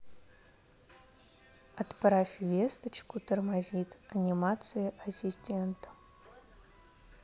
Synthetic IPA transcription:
ɐt̪pɾafʲvʲest̪ət͡ɕkʊt̪ərmazʲit̪ɐnʲimat̪sɨjəʔɐsʲisʲtʲent̪ə̥

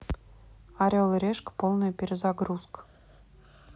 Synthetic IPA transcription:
ɑɾʲolˠɾʲeʃkpolˠnə̆jpʲɪɾʲɪzɑɡɾusk

